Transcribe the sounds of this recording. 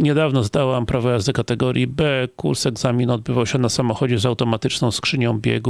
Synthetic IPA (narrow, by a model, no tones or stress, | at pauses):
ɲɛd̪avnɔzd̪awampɾavɔjazd̪ɘkat̪ɛɡɔɾʲjibɛkṵɾsɛɡzamʲinɔd̪̚bɘvawɕɛnasamɔxɔd͡ʑɛzawt̪ɔmat̪ɘt͡ʂnɔ̃w̃skʂɘɲɔ̃w̃bʲjɛ̰ɡu